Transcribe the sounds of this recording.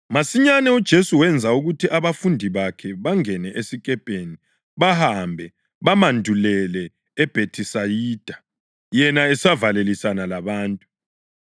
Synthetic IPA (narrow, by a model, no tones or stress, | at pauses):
masiɲanɛud̥ʒ̥ʱesuwɛnd͡zʱauɣutʰiʔaβafundʱiβakʰɛβaŋɛnɛʔesikʼɛpʼeni | βahambʱɛ | βamandʱulɛlɛː | b̥ʱetʰisajiːd̥ʱa | jɛnaɛsavalelisanalaβaːntʼu